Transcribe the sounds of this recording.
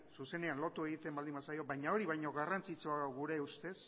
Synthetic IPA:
suse̞ne̞anlo̞t̪ue̞ɣ̞it̪e̞mbald̪imbasajo̞βajɲao̞ɾiβajɲo̞ɣarant͡sit͡ʃoaɣawɣuɾe̞ust̪e̞s

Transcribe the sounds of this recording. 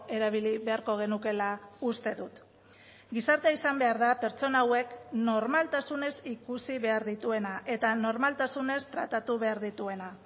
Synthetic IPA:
e̞ɾaβ̞iliβe̞aɾko̞ɣ̞e̞nuke̞laust̪e̞ðut̪ | ɡisaɾt̪eaisambe̞aɾðape̞ɾt͡so̞naːwe̞kno̞ɾmalt̪asune̞sikusiβe̞aɾðit̪ue̞naʔe̞t̪ano̞ɾmalt̪asune̞st̪ɾa̰t̪at̪uβ̞e̞aɾðit̪ue̞na

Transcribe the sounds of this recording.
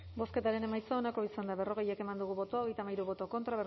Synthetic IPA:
bo̞ske̞t̪aɾe̞ne̞majt͡saonako̞isand̪aβe̞ro̞ɣe̞jeke̞mand̪uɣ̞uβo̞t̪oaoɣe̞jt̪amajɾuβo̞t̪o̞ko̞nt̪ɾaβer

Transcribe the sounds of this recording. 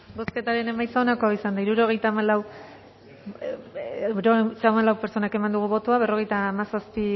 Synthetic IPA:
bo̞ske̞t̪aɾe̞ne̞majsaonako̞aisand̪aiɾuɾo̞ɣ̞e̞jt̪amalaw | ɾoɣet̪amalawpeɾt͡ʃo̞nake̞mand̪uɣ̞uβo̞t̪oaβe̞ro̞ɣ̞e̞jt̪aːmasaspi

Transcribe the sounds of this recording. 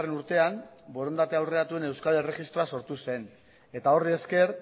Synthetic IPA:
renuɾt̪e̞ambo̞ɾo̞nd̪at̪e̞awre̞at̪ue̞ne̞wskalere̞ɣist̪ɾo̞aso̞ɾt̪use̞n | e̞t̪ao̞rie̞ske̞ɾ

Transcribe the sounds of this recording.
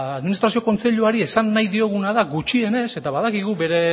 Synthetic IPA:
aðminist̪ɾasio̞ko̞nt͡se̞ʎuaɾie̞sanːajðio̞ɣ̞unaðaɣut͡ʃie̞ne̞se̞t̪aβaðakiɣ̞ube̞ɾe̞

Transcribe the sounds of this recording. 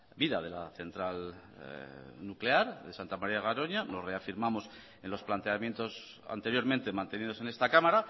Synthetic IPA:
biðaðe̞laθe̞nt̪ɾal | nukle̞aɾðe̞sant̪amaɾiaɣaɾo̞ɲano̞zre̞afiɾmamo̞s | e̞nlo̞splant̪e̞amje̞nt̪o̞s | a̰nt̪e̞ɾjo̞ɾment̪e̞mãnt̪e̞nið̞o̞se̞ne̞st̪akamaɾa

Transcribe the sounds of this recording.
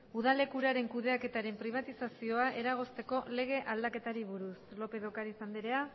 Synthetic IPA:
uð̞ale̞kuɾaɾe̞ŋkuðe̞ake̞t̪aɾe̞mpɾiβ̞at̪isasio̞aʔe̞ɾaɣ̞o̞st̪e̞ko̞le̞ɣ̞e̞ʔald̪ake̞t̪aɾiβuɾuslo̞pe̞ðo̞kaɾisand̪iɾea

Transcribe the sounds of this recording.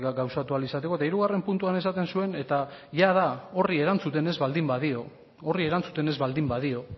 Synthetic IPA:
ɡawsat̪ualisat̪e̞ko̞t̪aiɾuɣare̞mpunt̪uane̞sat̪e̞nsue̞ne̞t̪aʝaðao̞rie̞ɾant͡sut̪e̞ne̞zβald̪imbaðio̞ | orie̞ɾant͡sut̪e̞ne̞zβald̪imbaðio̞

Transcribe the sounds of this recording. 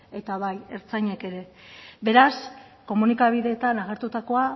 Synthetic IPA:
e̞t̪aβaje̞ɾt͡saɲeke̞ɾe̞βe̞ɾas | ko̞munikaβ̞iðe̞ːt̪anaɣ̞e̞ɾt̪ut̪ako̞a

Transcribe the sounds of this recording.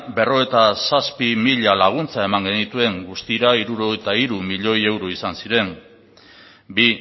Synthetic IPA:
be̞ro̞e̞t̪asaspimiʎalaɣ̞unt͡sae̞maŋɡe̞nit̪ue̞ŋɡust̪iɾaiɾuɾo̞ɣejt̪aiɾumiʎo̞je̞wɾo̞isansiɾe̞n | bi

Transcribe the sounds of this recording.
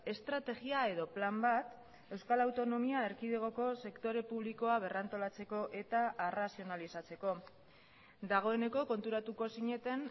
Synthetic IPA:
e̞st̪ɾat̪e̞ɣiae̞ðo̞plambat̪ | e̞wskalawt̪o̞no̞miaeɾkiðeɣ̞o̞ko̞se̞kt̪o̞ɾe̞puβ̞liko̞aβ̞e̞rant̪o̞lat͡se̞ko̞ʔe̞t̪aerasio̞nalisat͡se̞ko̞ | d̪aɣ̞o̞e̞ne̞ko̞ko̞nt̪uɾat̪uko̞siɲe̞t̪e̞n

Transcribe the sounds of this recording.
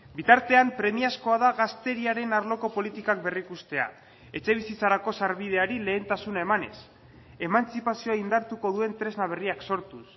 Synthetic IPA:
bit̪aɾt̪e̞ampɾe̞miasko̞aðaɣast̪e̞ɾiaɾe̞naɾlo̞ko̞po̞lit̪ikak̚be̞rikust̪e̞a̰ | e̞t͡ʃe̞β̞isit͡saɾako̞saɾβið̞e̞aɾile̞ːnt̪asunaemane̞̰s | e̞mant͡sipasio̞aind̪aɾt̪uko̞ðue̞nt̪ɾe̞znaβ̞e̞riakso̞ɾt̪us

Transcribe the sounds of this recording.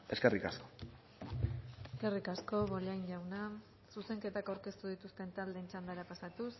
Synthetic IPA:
e̞skerikasko̞ | eske̞rikasko̞βo̞lajɲʎawna | suse̞ŋke̞t̪akawɾke̞st̪uð̞it̪ust̪e̞nt̪ald̪e̞ːnt͡ʃand̪aɾapasat̪us

